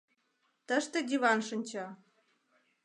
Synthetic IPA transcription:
t̪əʃt̪ĕd̪ʲiβɑnʃə̆nʲt͡ɕɤ

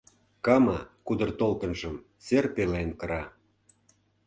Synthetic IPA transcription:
kɑmɑkud̪ə̆rt̪olt̪ə̆nʒə̆m | serpelenkɤ̆ɾɑ

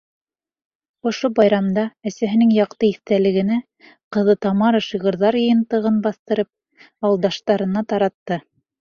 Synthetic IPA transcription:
ŏʃobɑjɾɑmd̪ɑæsæɦɘ̆nɘŋjɑqt̪ɤiθt̪ælɘ̆ɡɘ̆næ | qɤ̆ðɤt̪ɑmɑɾɤʃiʁɤ̆ɾðɑɾjɤ̆jɤ̆nt̪ɤ̆ʁɤnbɑθt̪ɤ̆ɾɤp̚ | ɑwlˠd̪ɑʃt̪ɑɾɤ̆nɑt̪ɑɾɑt̪ːɤ

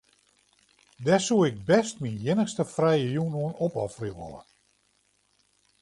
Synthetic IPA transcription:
dɛsuɪk̚bɛstminjɪnəxstəfrɛjəjunoənopɔfriʋɔ̰lə̰

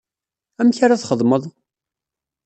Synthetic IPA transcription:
æmçaɾaθχəðˤməðˤ

